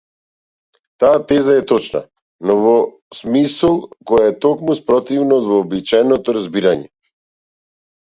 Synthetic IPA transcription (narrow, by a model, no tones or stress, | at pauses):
t̪aːt̪ɛzaɛt̪ɔt͡ʃna̰ | nɔvɔ | smislˠkɔjaɛt̪ɔkmuspɾɔt̪ivnaːd̪vɔːbit͡ʃajnɔt̪ɔɾazbiɾaɲɛ̰